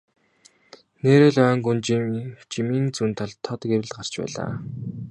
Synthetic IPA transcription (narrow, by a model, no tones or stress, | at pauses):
neːɾeːɮœːŋɡunt͡ɕt͡ɕimiːnt͡sunt̪ʰaɮt̪ʰɔt̪ɡeɾɘ̆ɮɢar̥t͡ɕpæ̰ːɮa̰ː